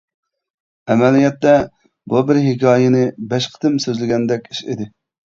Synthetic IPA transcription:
ɛmɛlijɛt̪ːɛ | bubɪɾɦɪkʲɑːjɪnɪbɛʃqʰə̥t̪ɪmsøzlɪɡʲɛnd̪ɛkʲiʃḭd̪ɪ

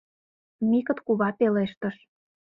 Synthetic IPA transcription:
mikə̆t̪kuβɑp̪eleʃt̪ə̆ʃ

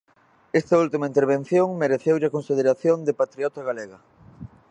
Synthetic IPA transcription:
est̪ɐult̪imaɐint̪eɾβenθjoŋmeɾeθewʎakõnsið̞eɾaθjond̪epat̪ɾiɔt̪ɐɣaleɣɐ

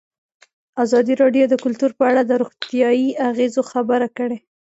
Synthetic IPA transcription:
azɑd̪iɾɑɖjod̪əkʊlt̪uɾpəaɽad̪əɾoɣt̪ijɑjiaɣezoxabəɾakəɽe

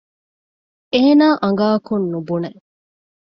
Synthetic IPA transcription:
eːnaːʔɐŋ̆ɡaːkunːubune

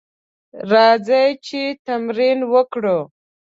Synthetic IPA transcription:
ɾɑzajt͡ʃet̪amɾinwəkɽə

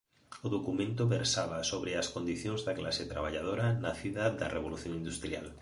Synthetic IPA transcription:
ʊðokumẽnt̪ʊβeɾsaβasoβɾeaskond̪iθjõŋzðakla̰set̪ɾaβaʎað̞oɾanaθiðad̪ɐ̰reβ̞oluθjoŋĩnd̪ust̪ɾia̰l

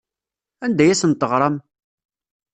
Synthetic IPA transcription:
ænd̪æjæsənt̪ːəʁɾˤɑm

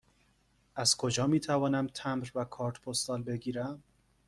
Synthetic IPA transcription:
ʔæz̥kʰo̞d͡ʒɒːmiːt̪ʰævɒːnæmt̪ʰæmɾvækʰɒːɾt̪pʰost̪ɒːlbe̞ɡiːɾæm

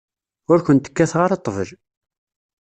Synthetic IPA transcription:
ʊɾkənt̪ə̥kːæθʁəɾɑt̪ˤːəvəʒ

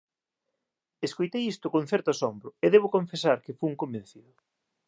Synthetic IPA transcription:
eskojt̪ejist̪ʊkoŋ̟θɛɾt̪ʊasombɾʊeðeβʊkoɱfesaɾkɪfuŋkombẽn̟θiðʊ

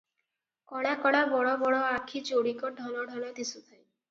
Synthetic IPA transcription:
kɔɽakɔɽabɔɽɔbɔɽɔakʰit͡ʃoɽikɔɖʱɔlɔɖʱɔlad̪isut̪ʰaj

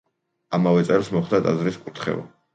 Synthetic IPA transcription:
amavɛt̪sʼɛlˠsmɔχd̪at̪ʼazɾiskʼut̪ʰχɛ̰va̰

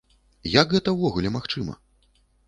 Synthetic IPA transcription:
jɐɡɣɛt̪ɐwvɔɣulʲɛmaxt͡ʂɨmɐ̰

